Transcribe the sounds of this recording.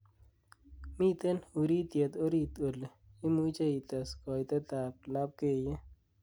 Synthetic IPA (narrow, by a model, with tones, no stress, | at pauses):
mi˦t̪e˦nu˨ɾi˦t̪je˨t̪o˦ɾi˦t̪o˨l | i˦mu˦t͡ʃa˦i˨t̪ɐ˨skɔ˨jt̪ɛ˦t̪a˨p̚la˦p̚keː˨je˦